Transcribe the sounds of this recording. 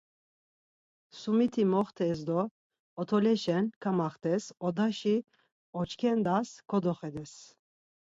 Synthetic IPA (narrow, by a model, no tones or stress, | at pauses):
sumit̪ʰimɔχt̪ʰɛsd̪ɔː | t̪ʰɔlɛʃɛnkʰamaχt̪ʰɛsɔd̪aʃi | ɔt͡ʃʰkʰɛnd̪askʰɔd̪ɔχɛd̪ɛs